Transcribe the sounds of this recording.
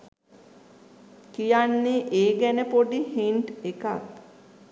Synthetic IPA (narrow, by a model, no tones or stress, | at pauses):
kijanːeʔeːɡænəpoɖihiɳʈeka̰k̚